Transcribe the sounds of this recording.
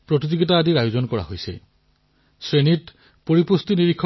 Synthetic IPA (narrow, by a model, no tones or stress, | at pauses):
pɹotid͡ʑoɡit̬aːdiɾajozɔnkɔɹa̰ɦojsḛ | sɹenit | poɹipust̪iniɹikʰːɔ